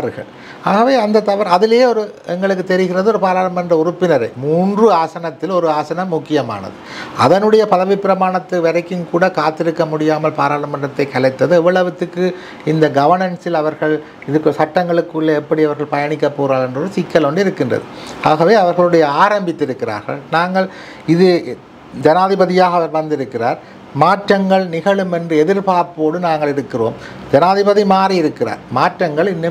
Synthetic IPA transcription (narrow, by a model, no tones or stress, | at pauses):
ɾɯɣɐ̰ɭ | aːɣɐʋeːɐnd̪ɐt̪ɐʋɐɾɐðɪljeːɔɾɯɛŋɡɐɭɯkːɯt̪ːɛɾɪɣɪrɐðɯɔɾɯpaːɾaːlɐmɐndrɐʊrʊpːɪnɐɾɐ̰ɪmuːndrɯaːsɐnɐt̪ːɪlɔɾɯaːsɐnɐmːʊkːɪjɐma̰ːnɐ̰ðɯɐðɐnɯɽɐjɐpɐðɐʋɪpːɪɾɐmaːɳɐt̪ːɯʋɐɾɐɪkːɯnkuːɽɐkaːt̪ːɪɾɯkːɐmʊɽɪjaːmɐlpaːɾaːlɐmɐndrɐt̪ːɐɪkːɐɭɐɪt̪ːɐðɯɛʋːɐɭɐʋɯt̪ːɯkːɯ | ɪnd̪ɐɡɐʋɐnɐnsɪlɐʋɐɾɣɐɭ | ɪðɯkːɯsɐʈːɐŋɡɐɭɯkːɯɭːɐɛpːɐɽiɐʋɐɾɣɐɭpɐjɐɳɪk̬ːɐpːoːɾaːɭɛndroɾɯsɪkːɐlɔɳɖɯɪɾɯkːɪndrɐ̰ðɯaːɣɐʋeːɐʋɐɾɣɐɭɯɽɐjɐaːɾɐmbɪt̪ːɪɾɯkːɪra̰ːɾɣɐ̰ɭnaːŋɡɐɭ | ɪðɯ | d͡ʒɐnaːðɪbɐðɪjaːɣɐʋɐɾʋɐnd̪ɪɾɯkːɪraːɾ | maːʈrɐŋɡɐɭnɪɣɐɭɯmɛndrɯɛðɪɾpaːɾpoːɽɯnaːŋɡɐɭɪɾɯkːɪro̰ːm | d͡ʒɐnaːðɪbɐðimaːriɪɾɯkːɪra̰ːɾmaːʈrɐŋɡɐɭɪnːɯ